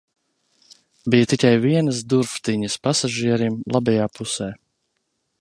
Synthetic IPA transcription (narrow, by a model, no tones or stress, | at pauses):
bijɐt̪ikʲajviɛnəsd̪uɾft̪iɲəspasaʒiɛɾimlˠabɛjaːpusɛː